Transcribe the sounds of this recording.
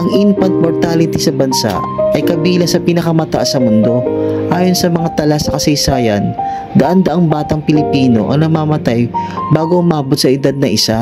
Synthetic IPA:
ʔɐŋʔinpɐnt̪̚moɹt̪alɪt̪isɐbɐnsa̰ʔʔɐjkɐbiːlɐsɐpɪnɐkɐmɐt̪ɐʔasɐmʊnd̪o̞ʔaːjo̞nsɐmɐŋat̪ɐlasɐkɐsɐjsaːjɐ̰n | d̪ɐʔand̪ɐʔaŋbaːt̪ɐŋpɪlɪpiːno̞̰ʔɐ̰ŋnɐmaːmɐt̪ajbaːɡoʔʊmaːbot̪̚sɐʔɪd̪ad̪̚nɐʔɪsa

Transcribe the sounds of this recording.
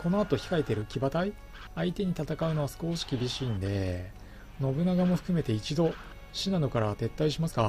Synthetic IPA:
ko̞no̞at̪o̞çi̥kaet̪e̞ɾɯ̟kʲibat̪ai | ait̪e̞ɲ̟it̪at̪akaɯ̟no̞βasɨ̥ko̞ːɕi̥kʲibʲiɕiːnd̪e̞ | no̞bɯ̟naɡamo̞ɸɯ̟̥kɯ̟me̞t̪e̞it͡ɕid̪o̞ | ɕinano̞kaɾat̪e̞t̪ːaiɕimasɨ̥ka

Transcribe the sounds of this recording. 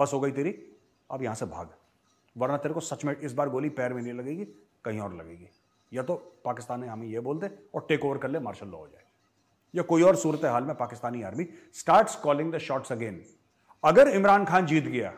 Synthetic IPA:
bɐsɦoːɡɐit̪eːɾi | ɐpjɐɦãsebʱa̰ːɡ | ʋɐɾnat̪eːɾekosɐt͡ʃmẽɪsbaːɾɡoːlipɛːɾmẽnilɐɡeːɡi | kɐɦĩɔːɾlɐ̰ɡeːɡiː | jɐt̪opaːkɪst̪aːnɦẽɦɐmẽjeboːlt̪eɔːɾʈeːkoːʋəɾkɐɾliemaːɾʃəlːo̰ːɦod͡ʒa̰ːe | jakoːiɔːɾsuːɾət̪eɦaːlmẽpaːkɪst̪aːniaːɾmisʈaːɾʈskɔːlɪ̃ŋd̪əʃɔːʈsɐɡẽːn | ɐɡəɾɪmɾaːnkʰaːnd͡ʒiːt̪ɡɐja̰ː

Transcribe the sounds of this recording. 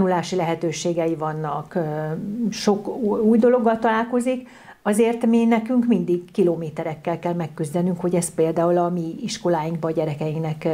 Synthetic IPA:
nulaːʃilɛɦɛt̪øːʃeːɡɛjivɒnːɒk | ʃo̞kuːjd̪o̞lo̞ɡːɒlt̪ɒlaːlko̞zik | ɒzeːrt̪miːnɛkyŋkmind̪iɡkiloːmeːt̪ɛɾɛkːɛlkɛlmɛkːyzd̪ɛnyŋkho̞ɟɛst̪̚peːld̪aːulɒmiiʃko̞laːjiŋɡk̚bɒɟɛɾɛkɛjiŋknɛk

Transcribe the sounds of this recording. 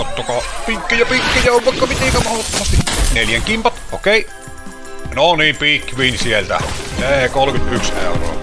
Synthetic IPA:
ot̪ːokɑpikːijɑpikːæjæoʋʋɑˑikːɑʋit̪eˑkæmɑhlɑt̪ːomɑst̪ineljæŋkimpɑt̪ʔokeˑi | noniːmpikʋiːnsielt̪æ̰seˑkolkyt̪yksnḛˑuro̰ː

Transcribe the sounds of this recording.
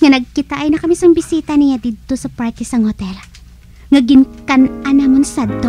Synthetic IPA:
ŋɐnɐɡ̚kɪt̪aʔɐjnɐkɐmisɐŋbɪsiːt̪ɐnɪjad̪iːd̪̚t̪osɐpaɹt̪ɪsɐŋhot̪ɛl | ŋɐɡɪŋkɐnʔanaːmonsad̪̚t̪o

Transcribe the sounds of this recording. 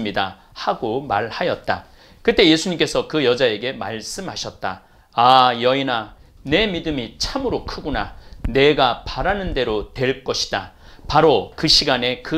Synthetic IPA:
mɲida | haɡomaɭhajʌt̚t͈a | kɯt͈e̞je̞sʰuɲimk͈e̞sʰʌkɯjʌd͡ʑae̞ɡe̞maɭs͈ɯmɦaɕʰʌt̚t͈aː | jʌinane̞midɯmit͡ɕʰamɯɾokʰɯɡonane̞ɡapaɾanɯnde̞ɾotwe̞ɭk͈ʌɕʰi̥d̥a̰paɾokɯɕʰiɡane̞kɯ

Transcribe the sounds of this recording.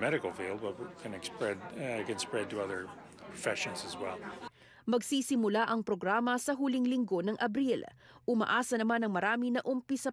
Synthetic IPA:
mɛɾɨkl̩ˠfilˠd̚bʌt̚kʰɨ̃nɨkspɹɛd̚kɨ̃nspɹɛd̚tɨʌðə˞ | pʰɹ̥ɔfɛʃɨ̃nzɨzwɛlˠ | mɐɡsiːsɪmʊlaʔɐŋpɾoɡɾaːmɐsɐɦulɪŋlɪŋɡo̞nɐŋʔɐbɾil | ʔʊmɐ̰ʔaːsɐnɐmanɐŋmɐɾaːmɪnɐʔʊmpɪsɐ

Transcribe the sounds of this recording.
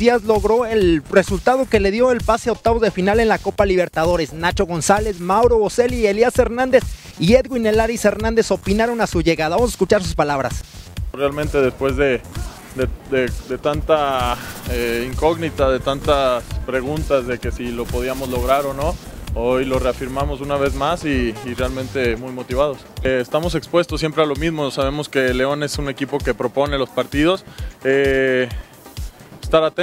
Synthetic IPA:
iazlo̞ɣɾo̞e̞lre̞sult̪að̞o̞ke̞le̞ðjo̞e̞lpaseaok̚t̪aβo̞zðe̞finale̞nlako̞paliβ̞e̞ɾt̪að̞o̞ɾe̞snat͡ʃo̞ɣ̞o̞nsale̞zmawɾo̞ose̞lieliase̞ɾnãnd̪e̞s | ie̞ðɡwine̞laɾise̞ɾnãnd̪e̞so̞pinaɾo̞nasuʝe̞ɣaðaβamos̬aeskut͡ʃaɾs̬u̥spalaβɾa̰srealmẽnt̪e̞ðe̞spwe̞zðe̞ | d̪ed̪ed̪e̞t̪ant̪a | eiŋko̞ɣnit̪aðe̞t̪ant̪aspɾe̞ɣ̞unt̪azðe̞ke̞silo̞po̞ð̞iamo̞zlo̞ɣɾaɾo̞no̞ | ojlo̞re̞afiɾmamo̞sunaβ̞e̞zmasiːrealmẽ̞nt̪e̞mujmo̞t̪iβ̞að̞o̞seːst̪amo̞se̞kspwe̞st̪osːje̞mpɾe̞alo̞mizmo̞saβ̞e̞mo̞ske̞le̞o̞ne̞sune̞kipo̞ke̞pɾo̞po̞ne̞lo̞spaɾt̪iðo̞se | est̪aɾat̪e

